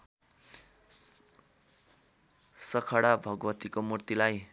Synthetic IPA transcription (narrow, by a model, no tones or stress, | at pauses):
sʌkʰʌɽabʱʌɡwʌt̪ikomurt̪ilaj